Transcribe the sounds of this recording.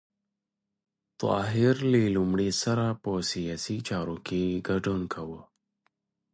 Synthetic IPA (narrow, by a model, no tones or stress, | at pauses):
t̪ɑ̰ːɦiɾlilumɽesɐɾaposijasit͡ʃaːɾokeɡɐɖunkʰawə